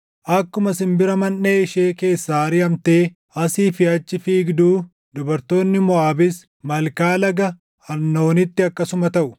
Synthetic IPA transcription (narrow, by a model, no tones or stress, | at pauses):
ʔɐkːʊmɐsɪmbɪɾɐmɐnːeːɪʃe̞ːke̞ːsːaːɾɪɐmt̪e̞ː | ɐsiːfɪɐt͡ʃːɪfiːɡd̪uː | d̪ʊbɐɾt̪o̞ːnːɪmɔaːbɪs | mɐlkaːlɐɡɐ | ɐnːo̞ːnɪt̪ːɪɐkːɐsʊmɐt̪ɐʔʊ